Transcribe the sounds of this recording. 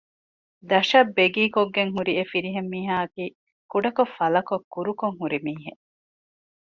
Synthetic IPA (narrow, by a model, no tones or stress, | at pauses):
d̪ɐʃɐbːeɡiːkoɡːeŋɦuɾiefiɾiɦemːiːɦaːɐkiː | kuɖɐkofɐlɐkokːuɾukoŋɦuɾimiːɦe